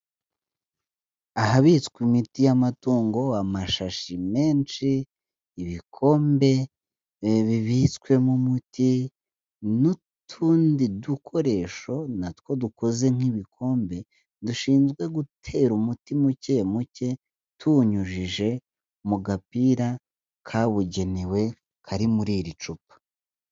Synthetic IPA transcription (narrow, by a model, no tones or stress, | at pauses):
aɦaβit͡skwimitijamatuːŋɡo̞amaʃaʃime̞ːnt͡ʃiː | βikʰo̞ːmbe̞ | βiβit͡skwe̞mumutʰi | nu | tʰuːndidukʰo̞ɾe̞ːʃo̞natwo̞duko̞ze̞ŋ̥iβikʰo̞ːmbe̞ | duʃiːnzɡwe̞ɡutʰe̞ɾumutimuce̞muce̞ | tʰuɲuʒiʒe̞ | muɡapiɾa | kʰaβuɟe̞niwe̞ | kʰaɾimuɾiːɾit͡ʃupḁ